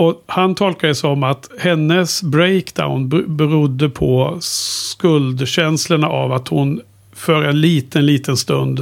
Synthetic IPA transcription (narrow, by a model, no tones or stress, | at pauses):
ɔhant̪ʰɔlkad̪əsɔmat̪hɛnːəsbɾɛɪkd̪a̰ʊnbbɛɾʊd̪ːəpʰɔskɵld̪ɕɛnsləɳaʔa̰vat̪hʊn | fœːɾɛnliːt̪ənliːt̪ənst̪ɵnd̪